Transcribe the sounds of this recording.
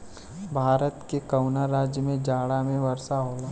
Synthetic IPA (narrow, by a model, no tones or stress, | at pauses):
bʱaːɾət̪kekɐwnaɾaːd͡ʒjəmẽd͡ʒaːɽamẽʋɐɾsaɦoːlaː